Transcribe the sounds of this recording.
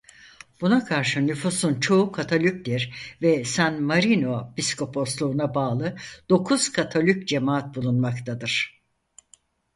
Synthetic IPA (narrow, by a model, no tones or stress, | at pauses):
b̥unakʰaɾʃɯnyfusunt͡ʃʰo̞ukʰat̪ʰolʲyc̚d̪iɾvɛsænmaɾino̞bisko̞pʰo̞slˠuːnabaːlˠɯd̪̥o̞kʰuz̥kʰat̪ʰolʲyc̚d͡ʒemaːat̪̚bulˠunmakt̪ʰad̪ɯɾ̥